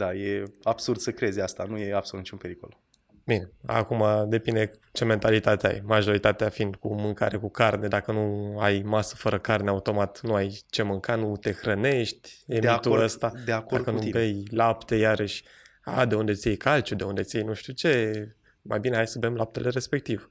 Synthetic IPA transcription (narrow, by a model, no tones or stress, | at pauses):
d̪aje̞ab̥surd̪səkɾe̞zʲast̪anujeabsolut̪nit͡ʃumpeɾikol | bine̞a̰kumad̪e̞pine̞t͡ʃe̞me̞nt̪alit̪at̪ea̰jmaʒo̞ɾit̪at̪eafind̪kumɨŋkaɾe̞kukarne̞d̪akənuajmasə̥fəɾəkarneaut̪o̞mat̪nuajt͡ʃe̞mɨŋkanut̪e̞xɾəne̞ʃt̪ʲemeit̪uəst̪ad̪eakod̪akənuibejlapt̪e̞jaɾəʃʲ | a̰d̪e̞und̪e̞t̪sʲjejkʰalt͡ʃud̪e̞und̪e̞t̪sʲjejnuʃt̪ʲut͡ʃe̞ | majbine̞hajsəbemlap̚t̪ele̞ɾe̞spe̞k̚t̪iv